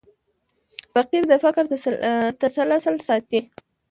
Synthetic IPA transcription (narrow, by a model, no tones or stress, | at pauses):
faqiɾd̪əfakɾt̪asalasalsɑt̪̚ːi